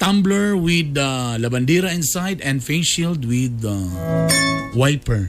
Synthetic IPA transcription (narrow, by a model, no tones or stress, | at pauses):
t̪ãmblɛɹwɪd̪lɐbɐnd̪iɾɐɪ̃nsajd̪ɛ̃nd̪feɪʃild̪wɪd̪ | wajpɛɹ